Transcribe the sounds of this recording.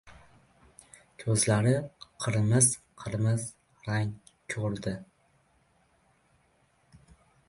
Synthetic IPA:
kʲʰɵzlaɾɪqʰɨɾmɪzqʰɨɾmɪz | ɾaŋ | kʲʰɵɾd̪ɪ

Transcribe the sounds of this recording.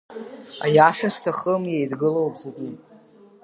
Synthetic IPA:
a̰jaʂastʰaχəmjejdɡɨlowpʼzeɡʲi

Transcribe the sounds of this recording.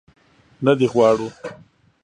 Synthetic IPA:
nad̪iɣwɑːɽu

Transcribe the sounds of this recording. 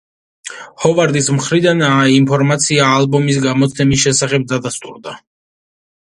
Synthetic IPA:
hɔvaɾd̪ismχɾid̪anaimpʰɔɾmat̪sʰiaːlˠbɔmis̬ɡamɔt̪sʰɛmis̬ʃɛsaχɛb̚d̪ad̪ast̪ʼṵɾd̪a

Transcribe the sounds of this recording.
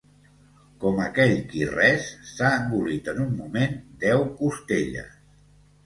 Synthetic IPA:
kɔməkɛʎkirɛsːaəŋɡulit̪ənumːumend̪ɛwkust̪eʎə̰s

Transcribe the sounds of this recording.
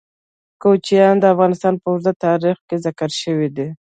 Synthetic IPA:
kot͡ʃijɑnd̪əafɣɑnɪst̪ɑnpəʊɾzat̪ɑɾixkezakəɾʃəwid̪i

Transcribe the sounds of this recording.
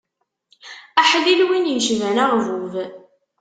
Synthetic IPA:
æħlilwinjəʃvænaʁvuv

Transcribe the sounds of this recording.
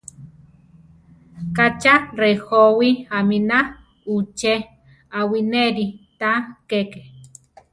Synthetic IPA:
kat͡ʃarehowiamina | ut͡ʃe | awineɾit̪akeke

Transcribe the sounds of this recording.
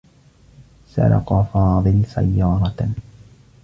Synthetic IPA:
sa̰ɾɑ̰qɑfɑːðˤɨlsa̰jːɑːɾˤɑ

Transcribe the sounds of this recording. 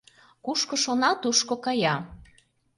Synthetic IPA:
kuʃkoʃonɑt̪uʃkokɑjɑ

